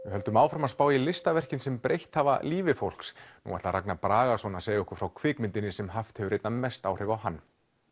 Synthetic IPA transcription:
vɪɦœlt̪ʏmaːwfɾamaspaːwailɪst̪avɛr̥cɪnsɛmpɾejht̪haːva̰liːvɪfowl̥ksnṵːa̰t̪aɾa̰knapɾaːɣasvɔnaseːjaʏhkʏ̥fɾawkʰvɪːkmɪnt̪ɪnːɪsɛmɦaft̪hɛvʏɾejt̪nanmɛst̪a̰ːwr̥ɪvawɦanː

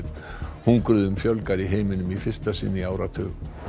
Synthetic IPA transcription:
ð | huŋkɾʏðʏmfjœwlkaɾiɦeːjmɪnʏmifɪ̥st̪asḭːnːiaːwɾat̪ʰœːɣ

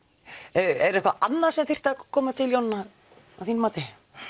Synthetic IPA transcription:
ɛɾɛhkva̰ʔanːḁsɛmθɪr̥t̪akʰɔːmat̪ʰɪljownːa | awθinmaːt̪ɪ

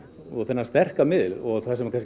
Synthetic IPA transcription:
ɔɣθɛnːast̪ɛr̥kamɪðlɔɣθasɛmakʰans

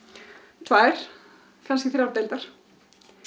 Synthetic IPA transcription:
t̪ʰvaːɾ̥ | kʰanscɪθɪɾawɾt̪ejlt̪aɾ̥

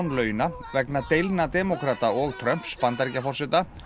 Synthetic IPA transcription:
nlœːɥjʏna | vɛknat̪ejlt̪nat̪ɛmɔkɾaːt̪aɔɣt̪ʰɾœm̥pspant̪aɾcafɔrsɪt̪a

